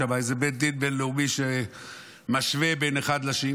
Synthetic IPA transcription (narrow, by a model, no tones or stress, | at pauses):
abajzebet̪̚d̪it̪̚belleumiʃe | maʃvebeneχad̪laʃi